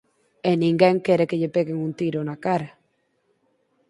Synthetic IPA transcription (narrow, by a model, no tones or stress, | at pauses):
enĩŋɡɛŋkeɾekeʎepeɣeŋunt̪iɾonakaɾa